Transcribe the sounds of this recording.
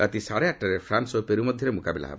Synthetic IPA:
at̪isaɽeak̚ʈaɾefʰɾansɔpeɾumɔd̪ʱjɔɾemukabila̰ɦa̰b

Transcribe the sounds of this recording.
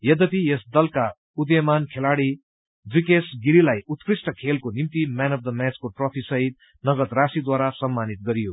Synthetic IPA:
jʌd̪ʌpʰijesd̪ʌlka | ud̪jʌmankʰelaɽi | d͡zikesɡiɾilajut̪krisʈʌkʰelkonimt̪imanʌfd̪əmat͡skoʈrʌpʰisʌɦit̪̚ | nʌɡʌt̪rasid̪waɾasʌmːanit̪̚ɡʌɾijo

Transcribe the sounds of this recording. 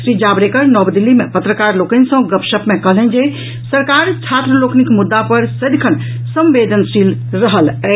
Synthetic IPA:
sɾid͡ʒabɾekəɾnɔbd̪ilːimepət̪ɾəkaɾlokənsə̃ɡəpʃəpmekəɦlɛnd͡ʒe | səɾkaɾt͡ʃʰat̪ɾəloknikmud̪ːapəɾsəd̪kʰən | sə̃mbed̪ʱənsilɾəɦəlɛ

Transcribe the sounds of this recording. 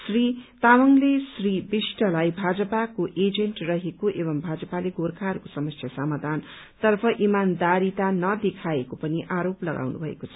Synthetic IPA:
srit̪amʌŋlesribisʈʌlajbʱad͡zʌpakoʔed͡zeɳʈrʌɦekoʔeβʌmbʱad͡zʌpaleɡorkʰarkosʌmʌsjasamad̪ʱan | t̪ʌrpʰʌʔimand̪aɾit̪anʌd̪ekʰaekopʌniʔaɾoplʌɡa̰wnṵbʱʌḛkot͡sʰʌ̥

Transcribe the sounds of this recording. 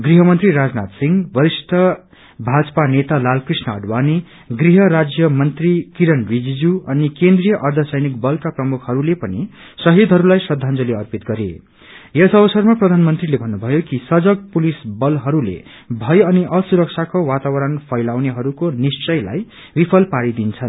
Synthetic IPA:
ɡriɦʌmʌnt̪riɾad͡znat̪siŋɡbʌɾisʈʰʌ | bʱad͡zʌpanet̪alalkrisnʌːɖwani | ɡriɦʌɾad͡zjʌmʌnt̪rikiɾʌnbid͡zid͡zuʌnikend̪rijʌʔʌrd̪ʱʌsʌjnikbʌlkaprʌmukʰɦʌɾulepʌni | sʌɦid̪ʱɦʌɾulajsʌd̪ʱãnd͡zʌleʌrpit̪ɡʌɾḛ | jʌsʌβʌsʌrmaprʌd̪ʱanmʌnt̪rilebʱʌnːubʱʌjokisʌd͡zʌk̚pulisbʌlɦʌɾulḛ | bʱʌjʌniʔʌsuɾʌk̚sʰakowat̪abʌɾʌnpʰʌjlawneɦʌɾukonist͡sʌjla̰j | bipʰʌlpaɾid̪int͡sʰʌn

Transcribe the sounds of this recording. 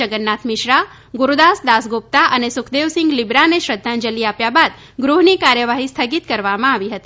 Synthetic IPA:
əɡənːat̪ʰmɪʃɾa | ɡuɾud̪asd̪asɡop̚t̪aʔənesʊkʰd̪eʋsɪ̃ŋɡlibɾaneʃɾəd̪ʱːãnd͡ʒəliapjabad̪ | ɡɾuɦnikaɾjəʋaɦist̪ʰəɡit̪kəɾʋamãaʋiɦət̪i

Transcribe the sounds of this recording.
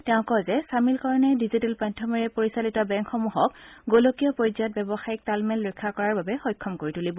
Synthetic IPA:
tɛʊ̃kɔzɛsamilkɔɹɔnɛdizitɛlpantʰɔmiɹɛpoɹisalitɔbɛŋkxɔmuɦɔkɡolokijɔpɔzat̚bɛbɔxajik̚talmɛlːɔkʰːakɔɹaɹbabɛxɔjkʰːɔmkoɹitulibɔ

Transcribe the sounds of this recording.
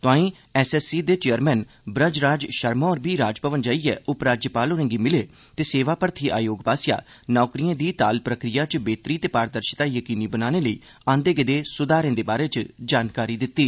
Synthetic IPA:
t̪ʊãːĩː | ɛːsɛːsiːd̪eːt͡ʃejəɾmɛːn | bɾə̃d͡ʒɾaːd͡ʒʃəɾmɔːɾbiːɾaːd͡ʒpəʋənd͡ʒaːiɛːʔʊpɾaːd͡ʒjəpaːloːɾə̃ːŋɡiːmɪleː | t̪eːseːʋaːpəɾt̪ʰiːʔa̰ːjoːɡpaːsja̰ː | nɔːkɾijãːd̪iːt̪aːlpɾəkɾɪjaːt͡ʃbeːt̪ɾiːt̪eːpaːɾd̪əɾʃɪt̪aːjəkiːniːbənaːneːləḭː | ãːnd̪eːɡɪd̪eːsʊd̪aːɾẽːd̪eːbaːɾeːt͡ʃd͡ʒaːnkaːɾiːd̪ɪt̪ːiː

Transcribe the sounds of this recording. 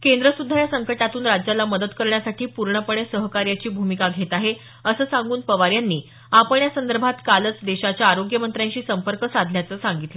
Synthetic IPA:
kend̪ɾəsud̪ʱːajasəŋkəʈat̪uːnɾad͡ʑjalaməd̪əd̪kəɾɳjasaʈʰiːpuɾɳəpəɳesəɦəkaɾjat͡ɕiːbʱumikaɡʱet̪aɦe | əsəːsaŋɡuːnpəʋaɾjanːiː | apəɳjasənd̪əɾbʱat̪kalət͡sd̪eɕat͡ɕjaːɾoɡjəmənt̪ɾjãɲt͡ɕiːsəmpəɾkəsad̪ʱljat͡səːsaŋɡit̪lə

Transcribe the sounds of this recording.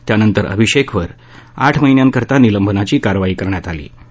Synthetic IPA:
t̪janənt̪əɾə̰bʱiɕekʰʋəɾ | a̰ʈʰməɦinjaŋkəɾt̪aniləmbʱənat͡ɕiːkaɾʋaiːkəɾɳjat̪alḭː

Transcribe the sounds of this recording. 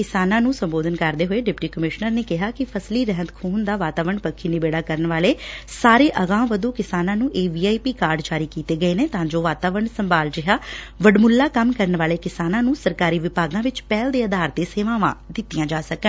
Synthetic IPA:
kɪsaːnãːnũːsəmboːd̪ənkəɾd̪eːɦoːeːɖɪpʈiːkəmɪʃnəɾneːkɪɦaːkɪpʰəsliːɾɛɦənt̪kʰuːnd̪aːʋaːt̪aːʋəɳpəkʰːiːnɪbeːɽaːkəɾənʋaːleːsaːɾeːʔəɣãːmʋəd̪oːkɪsaːnãːnũːʔeːʋiːaːipiːkaːɾɖd͡ʒaːɾiːkiːt̪eːɡəeːneːt̪ãːd͡ʒoːʋaːt̪aːʋəɾɳsəmbaːld͡ʒɪɦaː | ʋəɖmʊlːaːkəmkəɾənʋaːleːkɪsaːnãːnũːsəɾkaːɾiːʋɪpaːɡãːʋɪt͡ʃpɛːld̪eːəd̪aːɾt̪eːseːʋãːʋã̰ːd̪ɪt̪ːijãːd͡ʒaːsəkən

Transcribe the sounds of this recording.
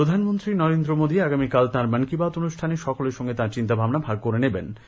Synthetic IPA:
ɾod̪ʱanmont̪ɾinɔɾend̪ɾomod̪iaɡamikalt̪ãɾmənkibat̪onuʃʈʰaneʃɔkoleɾʃɔŋɡet̪aɾt͡ɕint̪abʱabnabʱaɡ̚koɾeneben

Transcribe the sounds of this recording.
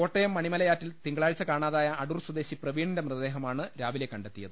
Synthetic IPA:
ko̞ːʈːɐjɐmːɐɳimɐlɐjaːtːilt̪iŋɡɐɭaːɻit͡ɕːɐkaːɳaːðaːjɐːɽurswud̪e̞ːɕiprɐʋiːɳindemrɨðɐd̪eːɦɐmaːɳɨɾaːʋile̞kːɐɳɖet̪ːijɐðɨ

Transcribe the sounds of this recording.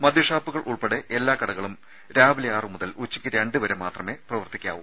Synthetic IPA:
mɐd̪ʱjɐʂaːpːuɣɐɭʔuɭpeɽeʔelːaːkɐɽɐɣɐɭum | ɾaːbilɐjaːrɨmuðɐlut͡ɕːikʲːiɾeɳɖɨʋɐɾemaːt̪rɐme̞ːprɐʋɐrt̪ikʲːa̰ːʋum

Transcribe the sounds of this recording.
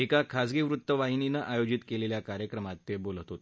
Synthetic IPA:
ekakʰasɡiʋɾut̪ːəʋaɦininəʔajod͡ʑit̪keleljakaɾjəkɾəmat̪ːebolt̪ot̪

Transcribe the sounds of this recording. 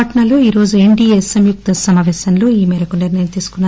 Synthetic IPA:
ɐʈɐnɐloːiːɾo̞ːd͡ʒueɳɖiːesɐmjuk̚t̪ɐsɐmaːʋɛːsɐnlo̞ːiːmiːɾɐkuniɾnɐjɐmt̪iːsu̥kunːa

